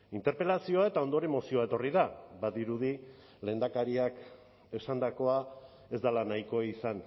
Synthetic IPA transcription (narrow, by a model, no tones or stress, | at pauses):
int̪e̞ɾpe̞lasio̞ae̞t̪ao̞nd̪o̞ɾemo̞sio̞ae̞t̪o̞riðabaðiɾuði | le̞ːnd̪akaɾiak | e̞sand̪ako̞a | e̞zd̪alanajko̞eisan